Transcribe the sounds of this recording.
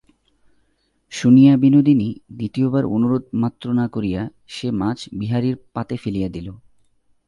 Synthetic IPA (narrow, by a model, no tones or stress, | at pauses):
ʃunijabinod̪inid̪it̪iobaɾonuɾod̪̚mat̪ːɾonakoɾija | ʃemat͡ɕʰbiɦaɾiɾpat̪efelijad̪ilo